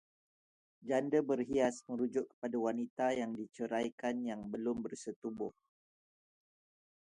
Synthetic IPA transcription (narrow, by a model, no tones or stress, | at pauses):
d͡ʒandəbərɦiasmə̃ɾud͡ʒʊʔkːə̥padawanit̪ajaŋdit͡ʃəɾajkanjaŋbəlʊmbərsət̪ubʊh